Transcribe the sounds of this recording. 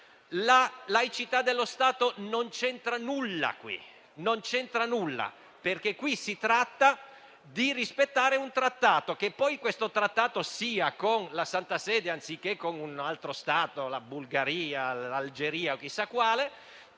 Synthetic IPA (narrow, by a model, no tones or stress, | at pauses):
lalajt͡ʃit̪ad̪ːelːost̪aːt̪onont͡ʃɛnt̪ɾanulːa̰kwḭ | nont͡ʃɛnt̪ɾanulːa̰ | perk̟ekːwisit̪ɾat̪ːa | d̪irispet̪ːaːɾeunt̪ɾat̪ːaːt̪ok̟epːɔjkwest̪ot̪ɾat̪ːaːt̪osiːakonlasant̪asɛːd̪eant̪sik̟ːekːonunalt̪ɾost̪aːt̪olabulɡaɾiːalald͡ʒeɾiːaok̟ːisːakːwaːle